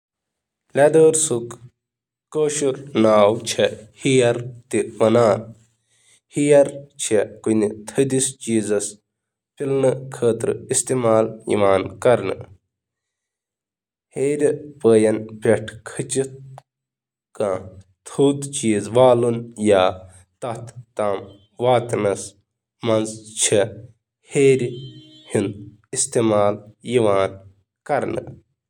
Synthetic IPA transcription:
lʲɐd̪əːɾsukː | oːʃuɾnaːwt͡ʃʰehijɐɾt̪iʋɐnaːn | hijɐɾt͡ʃʰekunit̪ʰɐd̪ist͡ʃiːzɐs | pilnɨkʰəːt̪ɾɨist̪eːmaːlḭmaːnkɐɾnɨ̰ | heːɾʲpəːjɐnpʲeʈʰkʰɨt͡ʃi | kãː | t̪ʰuːt̪t͡ʃiːzʋaːlunjaː | t̪ɐt̪ʰːaːm | ʋaːt̪nɐs | mɐnzt͡ʃʰi | heːɾʲ | hin | ist̪eːmaːljiʋaːn | kɐɾnɨ̰

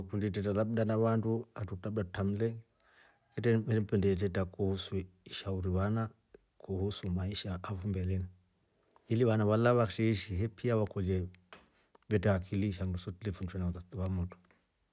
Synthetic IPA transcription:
kunditɛtalabdanaβanduatutabdautam̩lɛ | kɛtɛɛɾɛpɛndɛt̬ɛtakuhusuiʃauɾiβana | kuhusumaiʃaːfumbɛlɛna | iliβanaβalaβakʃɛiʃiɦɛpʰiawakɔd͡ʒɛ | βɛtaakʰiliʃaŋdusɔtilifunt͡ʃɛnataβamutu̥

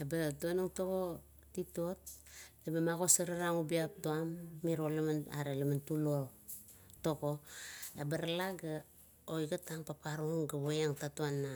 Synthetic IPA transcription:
ebatonaŋtoko̞ | tito̞t̚ebamaɣo̞saɾaɾaŋubiap̚tuamːiɾo̞lamana̰ɾelamantulo | to̞ɡo̞ebaɾalaɡa | ojɡataŋpap̚aɾuŋɡaβojaŋtatuanːa

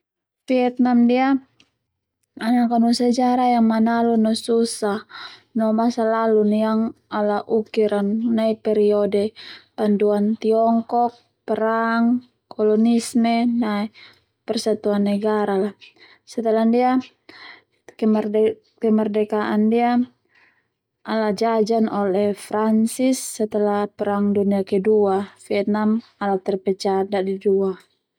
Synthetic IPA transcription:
fiɛt̪̚namdia | anakanɔsad͡ʒaɾajaŋmanalunɔsusahnɔmasalalunjaŋalaʔukiɾanːaipɛɾiɔdɛpanduant̪iɔŋkɔk̚ | pɛɾaŋː | ɔlɔnismɛnai | pɛrsat̪uanːɛɡaɾala | sɛt̪əlandia | kɛmr | kɛmardɛkaʔandia | ʔalad͡ʒad͡ʒanɔlɛfɾansisːɛt̪əlapɛɾaŋduniakɛduafiɛt̪̚namalat̪ɛrpɛt͡ʃadaʔdidua

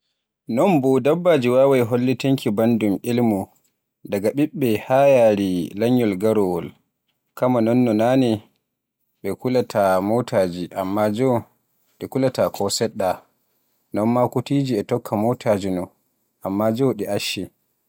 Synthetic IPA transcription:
nɔnbɔdabːad͡ʒiwawajɦolːiteŋkibandumʔilmu | daɡaɓiɓːɛhajaɾilaɲːɔlɡaɾɔwɔl | kamanɔnːɔnani | ɓɛkulatʰamotʰad͡ʒiʔamːad͡ʒɔw | ɗɛkulatakʰɔsɛɗːa | nɔnmakutid͡ʒiɛtɔkʰːamotʰad͡ʒinɔ | ʔamːad͡ʒɔwɗɛʔaʃːi

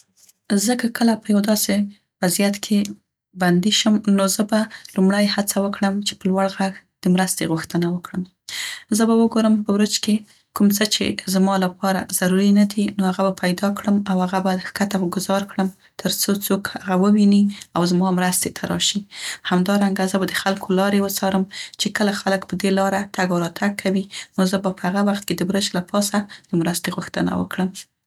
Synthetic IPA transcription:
zəkakʰəlapəjawd̪ɑse | wazijat̪kʰe | band̪iʃəmnozəbalumɽəjhat͡sawəkɽəmt͡ʃe̥pəlwaɽɣaɣd̪̥əmɾəst̪eɣuxt̪ənawəkɽəm | zəbawəɡoɾəmpəwɾʊd͡ʒke | kumt͡sət͡ʃḛzmɑlapɑɾa̰z̥aɾuɾinad̪inohaɣabapʰajd̪ɑkɽəmawhaɣabad̪xkat̪awəɡʊzɑɾkɽəm | t̪ʰəɾt͡sot͡sokhaɣawəwiniawzmɑmɾast̪et̪ʰaɾɑ̰ʃihamd̪ɑɾaŋɡazəbad̪əxalkʰolɑɾewət͡sɑɾəmt͡ʃekəlaxaləkpəd̪elɑɾat̪aɡwɾɑt̪ʰaɡ̚kʰawinozəbapəhaɣawaxt̪̚ked̪əwɾəd͡ʒlapʰɑsad̪̥əmɾast̪eɣuxt̪əna̰wə̰kɽəm

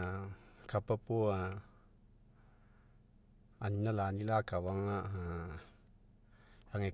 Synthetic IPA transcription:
kapapoa | aɲnalanilakawaŋaʔa | laŋe

